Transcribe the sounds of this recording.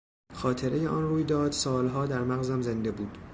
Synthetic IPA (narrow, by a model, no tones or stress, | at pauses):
xɒːt̪ʰe̞ɾe̞jeʔɒnruːjd̪ɒːd̪sɒːlɦɒːd̪æɾmæɣzæmze̞nd̪e̞buːd̪̥